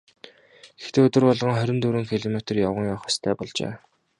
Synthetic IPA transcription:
ɡ̥e̥xt̪eːɵt̪ɵ̆rpɔɮʁɞ̆ŋχœɾʲɪ̆nt̪uːɾɘ̆ŋkʰiɮɔmet̪rjawə̆ŋjaːχɔ̥st̪ʰæːpɔɮt͡ɕḛː

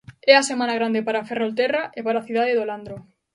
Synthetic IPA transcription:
ɛasemãnaɣ̞ɾand̪epaɾaferolt̪eraʔepaɾaθuðaðeðoland̪ɾo

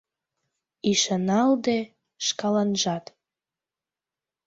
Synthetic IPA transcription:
iʃənɑld̪e | ʃkɑlɑnʒɑt̪

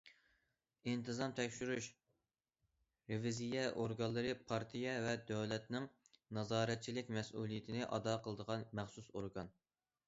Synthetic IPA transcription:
int̪ʰɨzɑmt̪ʰɛkʲʃyɾyʃ | ɾevizijɛʔoɾɡɑnlˠːəɾɨpʰɑɾt̪ʰijɛvɛd̪øwlɛt̪nɪŋ | nɑzɑːɾɛt̪̚t͡ʃʰilɪkʲmɛsʔulˠijɪt̪ʰɪnɪʔɑd̪ɑqʰəlˠəd̪əʁɑnmæχsusoɾɡɑn

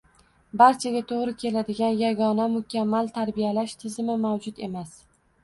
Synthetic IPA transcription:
baɾt͡ʃʰaɡʲat̪ʰoʁɾɪkʲʰe̞lad̪ɪɡʲanjaɡɒnamʊkʲamːalt̪ʰaɾbijalaʃt̪ʰɪzɪmɪmawd͡ʒʊd̪e̞mas

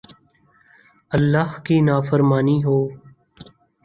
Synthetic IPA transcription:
əlːaːɦkiːnaːfəɾmaːniːɦoː

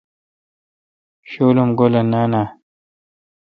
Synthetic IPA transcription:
ɕolomɡolanana

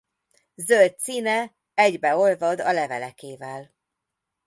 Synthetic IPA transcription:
zølt̪̚siːnɛ | ɛɟbɛo̞lvɒd̪ɒlɛvɛlɛkeːvɛl

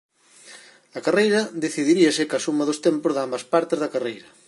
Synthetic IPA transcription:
ɐkarejɾɐðeθiðiɾiɐsɪkasumɐðost̪empʊzðambɐspaɾt̪ɪzðɐkarejɾɐ

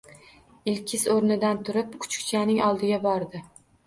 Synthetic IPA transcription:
ɪlkʲʰɪsoɾnɪd̪ant̪ʰʊɾɪp̚kʰʊ̥t͡ʃkʲt͡ʃʰanɪŋɒlˠd̪ɪɡʲabɒɾd̪ɪ

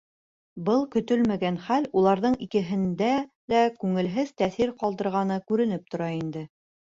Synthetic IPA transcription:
bɤlˠkɵ̆t̪ɵlmæɡænχælulˠɑɾðɤɴikɘ̆ɦɘ̆nd̪ælækʉŋɘ̆lɦɘðt̪æθiɾqɑlˠd̪ɤ̆ɾʁɑnɤkʉɾɘ̆nɘp̚t̪ŏɾɑind̪ɘ

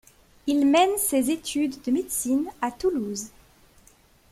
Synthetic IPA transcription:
ilmɛnsezet̪ʰyd̪ːəmed̪sinat̪uluz

